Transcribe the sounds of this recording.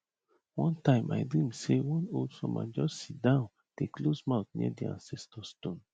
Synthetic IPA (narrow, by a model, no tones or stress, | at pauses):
wɔ̃ntãɪ̃mʔa̰ɪdɹĩmsewɔ̃noldfɔ̰mã̰d͡ʒɔssit̚dãʊ̃n | d̥eklosmaʊθnḭədiã̰nsɛstʰɔstõn